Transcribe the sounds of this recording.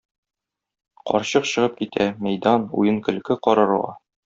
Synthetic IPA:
qɒ̰ɾɕɤqɕɤ̆ʁɤp̚kit̪ʰæmæjd̪ɑnṵjɤŋkɘ̆lkɘqɒɾɤ̆ɾʁɑ̰

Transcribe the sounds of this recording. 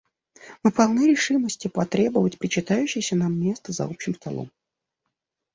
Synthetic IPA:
mɨpɐlˠnɨɾʲɪʂɨməsʲtʲɪpɐt̪ɾʲe̞bəvətʲpɾʲɪt͡ɕɪt̪ajʉɕːɪjsʲənamːʲe̞st̪əzɐ̰opɕːɪmst̪ɐ̰lˠo̰m

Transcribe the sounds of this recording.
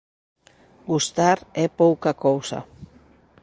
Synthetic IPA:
ɡust̪aɾepowkakowsa̰

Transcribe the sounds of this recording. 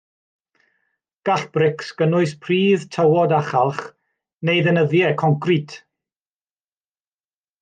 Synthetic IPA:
ɡ̥aɬb̥rɪksɡ̥ənʊɨspʰriːðtʰəwɔdaχalˠχ | nejðənəðjɛkʰɔŋkritʰ

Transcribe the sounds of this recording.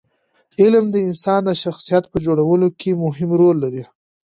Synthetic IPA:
ɪlmd̪əɪnsɑnd̪əʃaxsijat̪̚pəd͡ʒoɽawəlokʰemʊɦɪmɾolːaɾi

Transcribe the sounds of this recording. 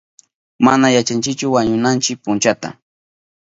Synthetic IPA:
manajat͡ʃant͡ʃɪkt͡ʃʊwaɲʊnant͡ʃɪk̚pʊnt͡ʃat̪a̰

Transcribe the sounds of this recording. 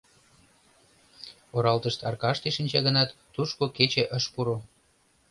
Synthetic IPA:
oɾɑlt̪əʃt̪ɑ̰rkɑʃt̪eʃinʲt͡ɕɑɣənɑt̪ːuʃkoket͡ɕeʔəʃpuɾo

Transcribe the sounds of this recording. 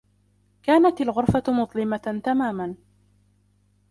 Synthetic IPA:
kaːnat̪alɣʊɾˤfamʊt̪ˤlɪmat̪amaːman

